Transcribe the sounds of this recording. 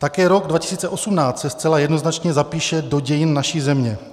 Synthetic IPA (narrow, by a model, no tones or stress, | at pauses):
t̪akɛːɾo̞ɡdvacɪ̥siːt͡sɛʔo̞sumnaːt͡st̪sɛst͡sɛlajɛdno̞znat͡ʃɲɛzapiːʃɛdoɟɛjɪnːaʃizɛmɲɛ